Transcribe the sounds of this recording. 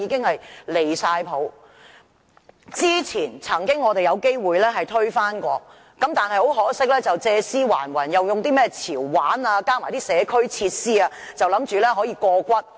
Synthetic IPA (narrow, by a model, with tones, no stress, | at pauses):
iː˨˧˥kɪ˥ŋhɐ˨jle˨˩jsaː˧jpʰo˨˥w | t͡siː˥t͡sʰiː˨˩nt͡sʰɐ˨˩ŋkɪ˥ŋːɔː˨˧t̪e˨jɐ˨˧wke˥jwuː˨jlɛː˥ɦɐ˨˩jt̪ʰɵ˥ɥfaː˥nkɔː˧ | kɐ˨˥mt̪aː˨nhɐ˨jho˨˥wɦɔː˨˥sɪ˥k̚lɛː˥t͡sɐ˨wt͡sɛː˧siː˥wa̰ː˨˩nwɐ˨˩njɐ˨wjʊ˨ŋt̪iː˥mɛː˥t͡sʰiː˨˩wːaː˨˥naː˧kaː˥kmaː˨˩jt̪iː˥sɛː˨˧kʰɵ˥ɥt͡sʰiː˧t̚siː˥aː˧t͡sɐ˨wlɐ˨˧˥mt͡ʃyː˨lɛː˥ɦɔː˨˥jiː˧kɔː˧kʷɐ˥t̚